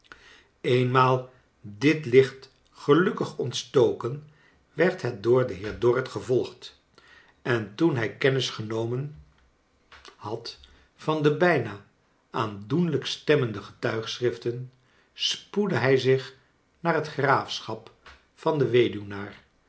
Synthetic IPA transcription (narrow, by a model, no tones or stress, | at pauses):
ejnmaːlˠ | dɪtlɪχt | χəlɵkəχɔntstowkən | ʋɛɹtɦɛt̚dʊːɹdəɦɪːɹdɔrətχəvɔlˠχt | ɛntunɦɛjkɛnɪsχənowmən | hɑt | fɑndəbɛjnaː | ʔaːndunləkstɛməndəχə̥tœɥχsrɪftən | spudəɦɛjzɪχ | naːrɦətχraːfsχɑp | fɑndəʋejdynaːr